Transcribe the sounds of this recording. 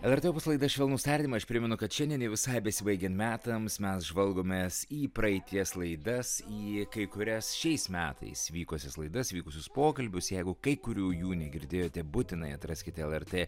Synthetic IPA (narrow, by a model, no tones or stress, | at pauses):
ɛlˠɛɾʲt̪epɐslˠɐɪd̪ɐʃʋʲɛːlˠnuːsʲɐɾʲt̪ʲːɪmɐɐʃpʲɾʲɪmʲɛnʊkɐt̪ʃʲɛnd̪ʲɛnʲɛʋʲɪsɐɪbʲɛsʲɪbɐɪɡʲɛnt̪mʲæːt̪ɐmsmʲɛsʒʋɐlˠɡoːmʲeːsiːpɾɐɪt̪ʲiɛslˠɐɪd̪ɐsiːkɐɪkʊɾʲɛsʃʲɛɪsmʲæːt̪ʰɐ̰ɪsʋʲiːkosʲɛslˠɐɪd̪ɐsʋʲiːkʊsʲʊspoːkɐlʲbʲʊsjɛɪɡʊkɐɪkʊɾʲuːjuːnʲɛɡʲɪɾʲd̪ʲeːjoːt̪ʲɛbʊt̪ʲɪnɐɪɐt̪ɾɐsʲkʲɪt̪ʲɛlˠɛɾʲt̪ʲeː